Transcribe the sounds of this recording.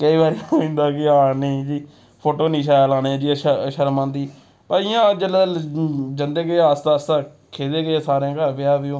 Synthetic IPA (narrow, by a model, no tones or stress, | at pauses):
kəiːbaːɾioɪ̃nd̪aːkɪaːɽneːd͡ʒiː | pʰoːʈoːnĩːʃ̬aːjaːlaːneːd͡ʒiːəʃʃəɾmãːnd̪iː | pəɪjãːd͡ʒəl | d͡ʒənd̪eːɡəast̪aːst̪aː | kʰeːd̪eːɡəeːsaːɾãːkəɾpɪjaːbɪjõː